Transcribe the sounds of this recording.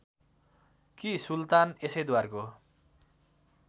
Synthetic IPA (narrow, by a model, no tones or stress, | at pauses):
kisult̪anesʌjd̪warko